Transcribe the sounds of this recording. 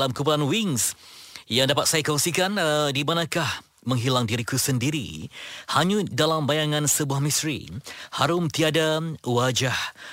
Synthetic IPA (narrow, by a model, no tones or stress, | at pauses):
lamkup̬ulanwiŋsjaŋdapat̪̚sajakoŋsikandimãnãkah | mə̃ŋɦilaŋdiɾikusəndiɾḭhaɲũdalambajaŋãnsəbuahmist̪ɾḭhaɾʊmt̪iadawad͡ʒah